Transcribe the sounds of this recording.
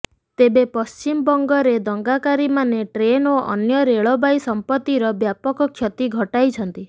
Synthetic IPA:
t̪ebepɔst͡ʃimbɔŋɡɔɾed̪ɔŋɡakaɾimaneʈɾenoʔɔ̰njɔɾeɭɔbajsɔmpɔt̪ːiɾɔbjapɔkɔkʰːjɔt̪iɡʱɔʈajt͡ʃʰɔnt̪i

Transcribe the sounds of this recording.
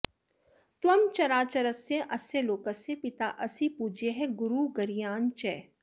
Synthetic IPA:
t̪ʋɐmt͡ʃɐɾaːt͡ʃɐɾəsjẽʔɐseloːkəsepɪt̪aːʔɐsipuːd͡ʒʱeɦɛɡʊɾuːɡɐɾijaːnt͡ʃɛː

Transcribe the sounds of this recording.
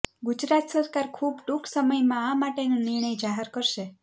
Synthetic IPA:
ɡud͡ʒɾat̪səɾkaɾkʰubʈuksəməjmãamaʈenũnɪɾɳ̃əjd͡ʒaɦɛɾkəɾʃe

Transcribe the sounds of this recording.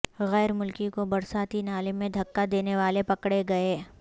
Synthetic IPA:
ɣɛːɾmʊlkikobɐɾsaːt̪inaːlɪmːẽd̪ʱɐkːad̪eːneʋaːlepɐkɽeɡɐeː

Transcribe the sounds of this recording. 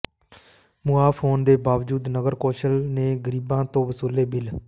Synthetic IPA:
muːaːpʰoːnd̪eːbaːʋd͡ʒuːd̪nəɡəɾkoːʃəlneːɡəɾiːbãːt̪õːʋəsuːleːbɪl

